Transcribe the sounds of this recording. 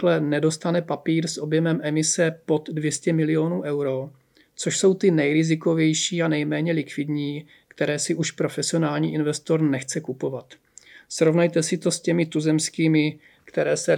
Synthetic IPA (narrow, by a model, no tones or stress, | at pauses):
lɛnɛdo̞st̪anɛpapiːɾsʔo̞bjɛmɛmʔɛmɪsɛpo̞d̪dvjɛscɛmɪlɪo̞nuːʔɛwɾo̞ | t͡so̞ʃso̞wt̪ɪnɛjɾɪzɪko̞vjɛjʃiːanɛjmɛːɲɛlɪkvɪdɲiː | kt̪ɛɾɛːsɪʔuʃpɾo̞fɛsɪo̞naːlɲiːʔɪnvɛst̪o̞ɾnɛxt͡sɛkupo̞vat̪ | sɾo̞vnajt̪ɛsɪt̪o̞scɛmɪt̪uzɛmskiːmɪ | kt̪ɛɾɛːsɛ